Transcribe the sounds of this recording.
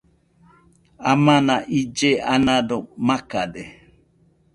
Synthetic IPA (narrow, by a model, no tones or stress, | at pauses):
amãnaʔid͡ʒeanãdomaka̰de